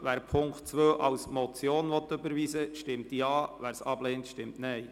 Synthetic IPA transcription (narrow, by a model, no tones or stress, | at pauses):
ʋæːɾpʰʊŋktt͡sʋøːʔɑwsmɔt͡sjoːnʋɔt̪ːʏbəɾʋiːsəʃtɪmt̪jɑːʋæːɾsɑb̥leːntʃtɪmtnɛj